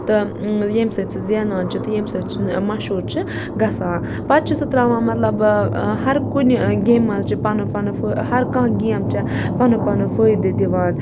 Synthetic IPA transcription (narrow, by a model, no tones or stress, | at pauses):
t̪ɨ | jemsɐt͡sʰizanãːnt͡ʃʰit̪ɨjemsɐt͡ʃʰimɐʃuːɾt͡ʃʰi | ɡɐsãː | pɐt̪̚t͡ʃʰisɨt̪ɾaːʋãːmɐt̪lɐbhɐɾkunʲɡeːmːɐlt͡ʃʰipɐnɨpɐnɨfəhɐɾkãːɡʲeːmt͡ʃʰi | pɐnɨpɐnɨfəːjd̪ɨd̪iʋãːd̪